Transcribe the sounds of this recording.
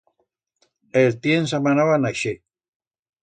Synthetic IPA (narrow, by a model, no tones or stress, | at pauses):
elt̪jens̬amanaβanaʃe